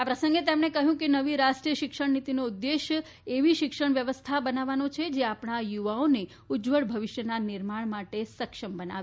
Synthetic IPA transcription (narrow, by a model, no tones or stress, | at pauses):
apɾəsə̃ŋɡet̪emɳekəɦjũkenəʋiɾaʃʈɾijəʃɪkʃəɳnit̪inoud̪ːeʃ | eʋiʃɪkʃəɳ̃ʋjəʋəst̪ʰabənaʋanot͡ʃʰed͡ʒeapɳ̃ajuʋaone | ud͡ʒʋəɽbʱəʋiʃjənanɪɾmaɳmaʈesəkʃəmbəna̰ʋ